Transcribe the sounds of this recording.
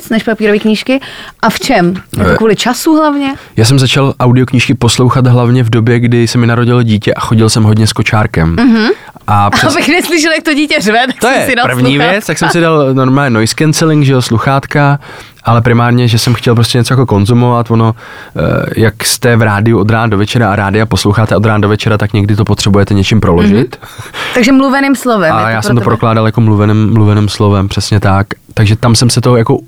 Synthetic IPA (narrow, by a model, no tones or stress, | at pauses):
t͡snɛʃpapiːɾoviːkɲiːʃkɪʔaft͡ʃɛmɛokvuːlɪt͡ʃasuɦlavɲɛjaːs̬ɛmzat͡ʃalʔawdɪokɲiːʃkɪpo̞slo̞wxat̪ɦlavɲɛvdo̞bjɛɡdɪsɛmɪnaɾoɟɪloɟiːcɛʔaxo̞ɟɪlsɛmɦodɲɛsko̞t͡ʃaːɾkɛmɦ̩ | ʔapɛbɪxnɛslɪʃ̬ɛljak̚t̪oɟiːcɛzvɛt̪akt̪ojjɛsɪdapr̩vɲiːvjɛt͡st̪aksɛmsɪdalno̞ɾmaːlɲɛnojskɛnt͡sɛlɪŋɡʒɛosluxaːt̪ka | ʔalɛpɾɪmaːɾɲɛʒɛsɛmxcɛlpɾos̬cɛɲɛt͡sojakoko̞nzumovat̪vono̞ | jakst̪ɛvɾaːdɪuo̞d̪ɾaːndovɛt͡ʃɛɾaaɾaːdɪaposlowxaːt̪ɛo̞d̪ɾaːndovɛt͡ʃɛɾat̪akɲɛɡdɪt̪o̞pot̪r̥ɛbujɛt̪ɛɲɛt͡ʃɪmpɾo̞lo̞ʒɪt̪t̪aɡʒɛmluvɛnɪːmslovɛmajaːsmmt̪opɾoklaːdaljakomluvɛnɪmːluvɛnɪmslo̞vɛmpr̥ɛsɲɛt̪ak | t̪aɡʒɛt̪amsɛmsɛt̪ojako